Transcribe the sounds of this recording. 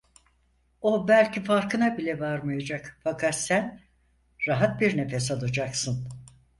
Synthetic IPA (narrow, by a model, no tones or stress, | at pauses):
o̞bælʲcifaɾkɯnabilʲɛvaɾmajad͡ʒakfakʰat̪sæn | ɾaɦat̪̚biɾne̞fɛsalˠad͡ʒaksɯn